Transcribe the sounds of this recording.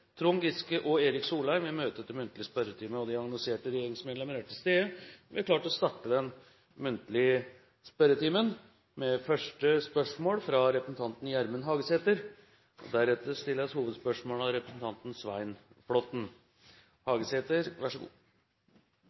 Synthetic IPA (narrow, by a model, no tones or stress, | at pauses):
t̪ʰɾuŋɡɪskəʔɔeːɾɪksuːlæɪʋɪmøːt̪ət̪ːɛmʉnt̪lɪəspœɾət̪ʰiːməɔd̪ɛɑŋnɑlɪseːʈəɾɛjeːɾɪŋsmeːd̪lɛmənæʈʰɪlst̪eːəʋɪɑɾkʰlɑːʈɔst̪ɑʈːəd̪ɛn | mʉnt̪lɪ | spœɾət̪iːmən | mɛfœʂʈəspœʂmoːlfɾɑɾɛpɾəsn̩t̪ʰɑnt̪n̩jæɾmənɦɑːɡəseːt̪əɾ | ʔɔ̰d̪æɾɛt̪əɾst̪ɪlːəshuːʋəd̪spœʂmoːlɑɾɛpɾəsn̩t̪ɑnt̪n̩sʋæɪn | flɔt̪n̩ | hɑːɡəsheːt̪əɾʋæʂəɡṵː